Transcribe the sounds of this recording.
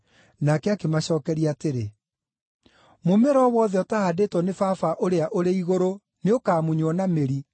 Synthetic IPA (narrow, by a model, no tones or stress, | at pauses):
nakɛakemaɕɔːkɛɾiaːteɾe | momɛɾɔːwɔðɛɔtahadetwɔnefaːfaʔoɾeaʔoɾeiɣoɾo | neokaːmuɲwɔnameɾi